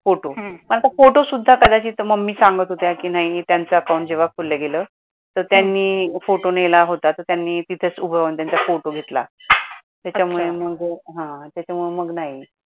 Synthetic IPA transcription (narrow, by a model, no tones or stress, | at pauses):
foʈom̤ənapəkfoʈosud̪ʱːakəd̪at͡ɕiːt̪əməɡmiːsãŋɡət̪ɦot̪jakiːnaɦiit̪jant͡saəkawũɳʈd͡ʑeʋakʰolleɡelə | t̪əɾt̪janːiːfoʈonelaɦot̪at̪əɾt̪janːiːt̪it̪ʰet͡subʱəʋənt̪jant͡safoʈoɡʱet̪la̰ | t̪jat͡ɕamuɭeməɡɦãt̪jat͡ɕamuɭeməɡnaɦi